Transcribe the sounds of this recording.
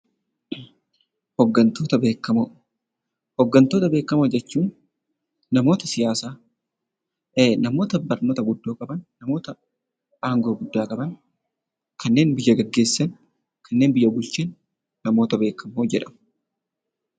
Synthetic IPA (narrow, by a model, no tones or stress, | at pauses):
hɔɡːɐnt̪oːt̪ɐbeːkːɐmo | hɔɡːɐnt̪oːt̪ɐbe̞ːkːɐmɐd͡ʒɛt͡ʃːuːnː | ɐmo̞ːt̪ɐsɪjaːsaː | nɐmo̞ːt̪ɐbɐɾnɔːt̪ɐɡʊd̪ːoːkʼɐbɐnːɐmo̞ːt̪ɐ | ʔaːŋɡo̞ːɡʊd̪ːaːkʼɐbɐn | kʰɐnːe̞ːnbɪjːɐɡɐɡːe̞ːsːɐn | kʰɐnːe̞ːnbɪjːɐbʊlt͡ʃeːnː | ɐmo̞ːt̪ɐbe̞ːkːɐmːoːd͡ʒɛᶑɐ̥m